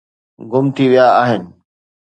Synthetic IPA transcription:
ɡʊmt̪ʰiʋijaaːɦɪnɪ̆

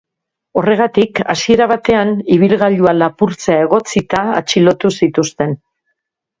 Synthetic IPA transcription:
o̞re̞ɣ̞at̪ikasie̞ɾaβ̞at̪e̞aniβ̞ilɣaʎualapuɾt͡sae̞ɣ̞o̞t͡sit̪a̰ːt͡ʃilo̞t̪usit̪ust̪e̞n

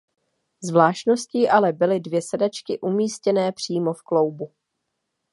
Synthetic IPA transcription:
zvlaːʃtno̞sciːʔalɛbɪlɪdvjɛsɛdat͡ʃkɪʔumiːscɛnɛːpr̝̥iːmo̞fklo̞wbu

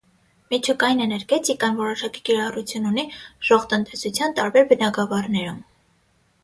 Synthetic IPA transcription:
mit͡ʃʰukɑjinɛnəɾkɛt͡sʰikɑnvɔɾɔʃɑki̥kiɾɑrut͡sʰjununiʒ̥ɔʁt̪ənt̪ɛsut͡sʰjɑnt̪ɑɾbɛɾbənɑɡɑvɑrnɛɾum

